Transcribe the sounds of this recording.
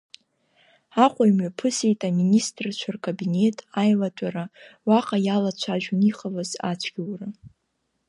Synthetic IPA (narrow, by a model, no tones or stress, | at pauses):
aqʷʼajmɥapʰɨse̞jtʼaministʼrt͡ʃʷʰarkʼabine̞tʼajlatʷʼaɾawaqʼajalat͡ʃʷʰaʒᶣniχʼalaza̰t͡ʃʷʰɡʲiwra